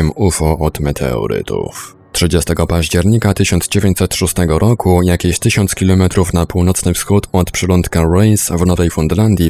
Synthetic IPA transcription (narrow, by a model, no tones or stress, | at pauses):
ɛmufɔʔɔt̪mɛt̪ʰɛ̰ɔ̰ɾɘ̰t̪ʰṵf | tʂɘd͡ʑɛst̪ɛɡɔpaʑd͡ʑɛɾɲikat̪ɘɕɔnzd͡ʑevʲjeɲt͡ɕʲsɛt̪ʂust̪ɛɡɔɾɔkujakʲeɕt̪ɘɕɔnt̪skʲilɔmɛt̪ɾufnapuwnɔt̪snɘfsxut̪ɔt̪pʂɛlɔnt̪kaɾɛjsvnɔvɛjfund̪land̪ʲji